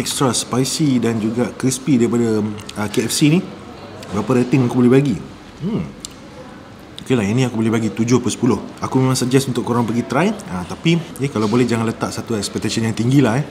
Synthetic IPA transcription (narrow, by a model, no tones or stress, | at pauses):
ɛkst̪ɾaspajsidand͡ʒuɡakɾispidaɾipadaəkeɛfsini | bəɦapaɾɛt̪ɪŋakubolɛhɦbaɡi | m̩ | okelainĩakubolɛɦbaɡit̪ud͡ʒʊhpəsəpulʊhakumemãŋsəd͡ʒɛsunt̪ʊkːoɾaŋpəɡit̪ɾajət̪apiɛkalawbolɛhd͡ʒaŋanlət̪aʔsat̪uɛk̚spɛk̚t̪asənjaŋt̪iŋɡilaɦɛ